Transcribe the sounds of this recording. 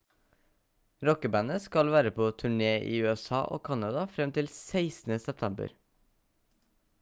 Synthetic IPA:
ɾɔkəbæːnəskɑlʋæːɾəpʰoːt̪ʰʉɳeːʔḭːʉːɛsɑ̰ːʔo̰ːkʰɑnɑd̪ɑfɾɛmt̪ʰɪlsæɪsn̩əsɛp̚t̪ʰɛmbə̰ɾ

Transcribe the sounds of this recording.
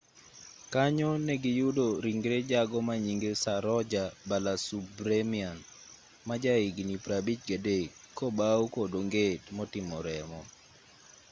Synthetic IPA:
kaɲɔnɛɡɪjudoɾiŋɡɾed͡ʒaɡɔmaɲiŋɡesaɾɔd͡ʒabalasubɾemian | mad͡ʒaiɡnipɾabit͡ʃɡadekkːɔbawukodoŋɡetmɔtɪmɔɾɛmɔ

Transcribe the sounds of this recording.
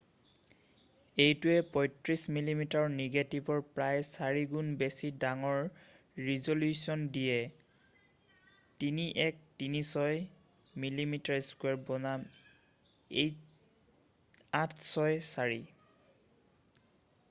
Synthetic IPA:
ejtuɛpɔjtɹismilimitaɹniɡetibɔɹpɹajsaɹiɡunbesidaŋɔɹ | ɹizoljusɔndijɛ | tiniʔɛk̚tinisɔj | milimitaɹeskwɛɹbɔnam | ej | atʰsɔjsaɹi

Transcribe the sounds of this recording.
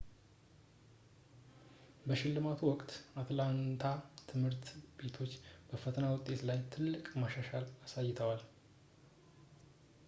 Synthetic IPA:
bəʃɪlːɨmat̪ʰuwɔkʼt̪at̪lant̪ʰat̪ʰɨmhɨɾt̪be̞t̪ʰo̞t͡ʃːb̥əfət̪ʰənawʊt̪ʼːe̞t̪lajt̪ʰɨlːɨkʼmaʃaʃalasajːɪt̪ʰəwal

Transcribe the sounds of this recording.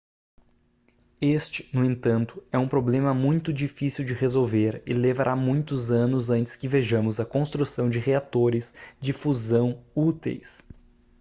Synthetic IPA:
est͡ʃɪ̥nʊẽnt̪ɐ̃nt̪ʊ̥ɛũpɾoblẽmɐmũj̃t̪ʊd͡ʒifisiwd͡ʒɪʁezowveɾɪ̰levaɾʔamũj̃t̪ʊzɐ̃nʊzɐ̃nt͡ʃɪ̥skɪveʒɐ̃mʊzɐkõst̪ɾusɐ̃w̃d͡ʒɪʁeat̪oɾɪsd͡ʒɪfuzɐ̃w̃ut̪ḛjs

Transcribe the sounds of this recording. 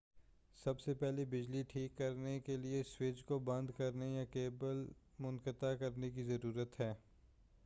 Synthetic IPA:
sɐbsepɛɦlebɪd͡ʒliʈʰiːkːɐɾnekelieswɪt͡ʃkobɐ̃nd̪kɐɾnejakeːbəlmʊ̃nkət̪akɐɾnek̬izɐɾuːɾət̪ɦɛː

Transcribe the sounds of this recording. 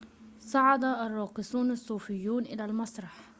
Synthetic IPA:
sɑʕɑd̪aʔɑrˤːɑːqɨsuːnɪsˤːuːfɪjːuːnʔɪlalmɑsˤɾˤɑħ

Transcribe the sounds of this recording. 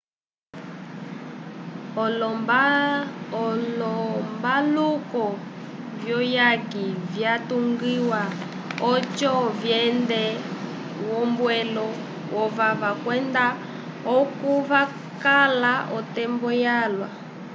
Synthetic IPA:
ɔlɔmbalukɔ | vjɔjakivjatuŋɡiwa | ɔt͡ʃɔvjɛndɛ | wɔmbwɛlɔ | wɔvavakwɛnda | ɔkuva | kalaʔɔtɛmbɔjalwa

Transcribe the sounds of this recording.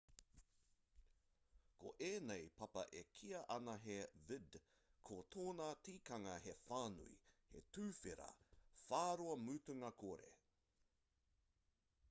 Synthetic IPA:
kʰo̰ʔeːnejpɐpɐ̰ʔekʰiɐʔɐnɐɦevɪd | kʰotʰoːnaːtiːkɐŋɐɦefaːnṵḭhḛtʉːfeɾɐ̰faːɾoɐmutuŋɐkʰoɾḛ

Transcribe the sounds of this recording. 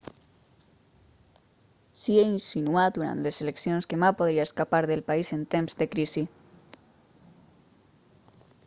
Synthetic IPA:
sieinsinuat̪̚d̪uɾa̰nt̪leseleksionskemapoðɾiaeskapaɾðelpaizent̪emzd̪ekɾisi

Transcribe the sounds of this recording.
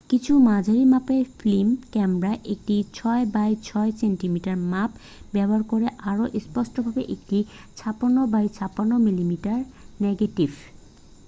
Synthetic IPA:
kit͡ɕʰumad͡ʑʱaɾimapeɾflimkɛmɾaʔek̚ʈit͡ɕʰɔebajt͡ɕʰɔesenʈimiʈaɾmap | bɛboaɾkoɾeʔaɾoʔespɔʃʈobʱabeʔek̚ʈi | t͡ɕʰaponːobajt͡ɕʰapanːomilimiʈaɾneɡeʈibʱ

